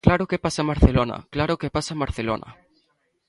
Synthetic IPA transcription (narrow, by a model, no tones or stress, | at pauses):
klaɾokepasamaɾθelona̰klaɾokepasamaɾθelo̰nʔa̰